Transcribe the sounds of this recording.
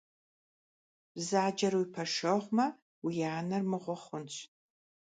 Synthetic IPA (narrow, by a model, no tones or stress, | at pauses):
bzaːd͡ʒɐrwipʰɐʂɐʁʷmɐ | wijaːnɐrmɨʁʷɔχʷʊnt͡ɕʷʰʼ